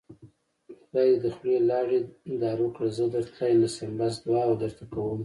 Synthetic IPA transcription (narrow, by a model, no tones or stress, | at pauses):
ɾɑjed̪əxɽelɑɽend̪ɑɾukɽazəd̪əɾt̪ʰajlasambasd̪wɑawd̪əɾt̪akawəm